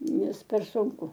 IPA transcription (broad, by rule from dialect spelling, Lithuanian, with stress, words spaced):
ˈnʲɛs pʲɛr sʊŋˈkʊ